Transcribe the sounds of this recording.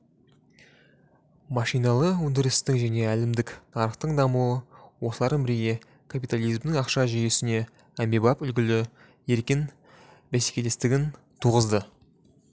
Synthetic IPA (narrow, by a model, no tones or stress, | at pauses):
mɑʃijnɑlˠəɵnd̪ɪɾɪst̪ɪkʒæne̞ælɪmd̪ɪknʰɑɾəχt̪əɴd̪ɑmuwəwosəlˠɑɾd̪əmbɪɾɡʲe̞ | kʰapijt̪alˠijzmd̪ɪŋɑqʃɑʒijesɪne̞ | æmebɑpʏlɡʲɪlɪ | je̞ɾkʲɪn | bæse̥kʲe̞le̞st̪ɪɡʲɪn | t̪ʰuʁəzd̪ə